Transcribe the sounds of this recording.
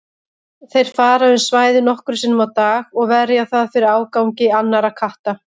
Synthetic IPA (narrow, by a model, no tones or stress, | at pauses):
θejɾ̥faːɾaʏnsvaːjðɪnɔhkʏɾʏsɪnːʏmawt̪aːɣɔɣvɛɾjaθaðfɪɾɪɾaːwkawŋcɪanːaɾakʰaht̪a